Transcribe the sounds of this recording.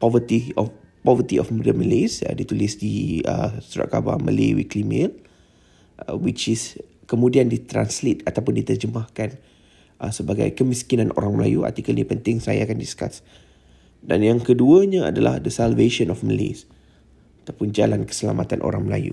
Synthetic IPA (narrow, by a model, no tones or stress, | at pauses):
pɔvət̪iɔ | pɔvət̪iʔɔfməəməlesə̰dit̪ulisdiəsuɾa̰ʔ̪̚kaba̰mə̰lewḭklimel | ʔwit͡ʃiskəmũdiandit̪ɾa̰nslit̪at̪awpʊndit̪ərd͡ʒəmahkan | ʔəsəbaɡa̰jkəmĩskinanʔo̰ɾaŋməla̰jua̰t̪ikalnipənt̪ɪŋsaja̰ːkandiska̰s | da̰njaŋkəduəɲaa̰dala̰hdəsalveʃənɔfməlḛs | at̪apʊnd͡ʒalankə̥səla̰mat̪anʔo̰ɾaŋməla̰jṵ